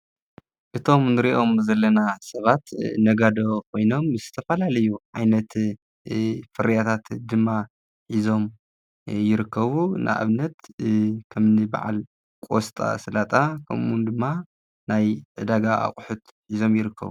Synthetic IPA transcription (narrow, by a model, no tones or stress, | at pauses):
ʔɨt̪ʰo̞mnɨɾiʔo̞mzɐlːɐnasɐβat̪nɐɡad̪o̞kʰo̞jno̞mɨzɨt̪ʰɐfɐlalɐjuʕa̰jnɐt̪ | fɨɾijat̪ʰat̪d̪ɨmːa | ħizo̞m | jɪɾɨkʰːɐβunʔa̰ʔa̰βnɐt̪kʰɐmnɨba̰ʕa̰l | kʼost̪ʼa̰sɐlat̪ʼakʰɐ̰mʔund̪ɨmːa | najʕɨd̪aɡaa̰χʼħut̪ | ħizo̞mjɪɾɨkʰːɐ̰βu